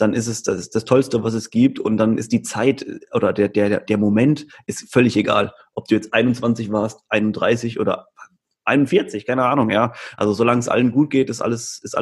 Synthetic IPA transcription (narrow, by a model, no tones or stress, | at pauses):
d̥anʔɪstɛsd̥asd̥astʰɔlstəvas̬ɛsɡ̥iːp̚tʊnt̚d̥anʔɪ̰std̥iːt͡saɪtʔoːɾɐdeːɐdeːɐɐd̥eːɐmomɛntʔɪstfœlɪçeɡa̰ːl | ʔɔp̚d̥uːjɛt͡stʔaɪnʊntt͡sv̥ant͡sɪçv̥aːɐstʔaɪnʊnd̥ʁa̰ɪsɪçʔo̰ːdɐ̰ | ʔaɪnʊnfɪɐt͡sɪçkʰaɪnəʔaːnʊŋjaːʔalzozolaŋəsʔa̰lənɡuːt̚ɡ̥eːtɪstʔa̰ləsɪstʔa̰